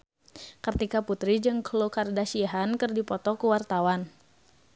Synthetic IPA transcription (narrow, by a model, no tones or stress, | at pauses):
kərt̪ikaput̪ɾid͡ʒɨŋklokardasiɦankərdipɔt̪ɔkuwart̪awan